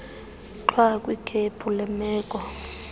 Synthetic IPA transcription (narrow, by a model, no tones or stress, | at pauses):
ǃʰwakʼwikʰepʰulɛmɛːkʼɔ